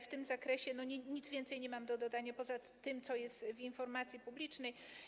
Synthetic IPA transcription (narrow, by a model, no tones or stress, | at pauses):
ft̪ɘmzakɾɛɕɛnɔɲɛɲit̪zvʲjɛnt̪sɛjɲɛmamd̪ɔd̪ɔd̪aɲapɔzat̪ɘmt̪sɔjɛst̪vinfɔɾmat̪sʲjipublʲit͡ʂnɛj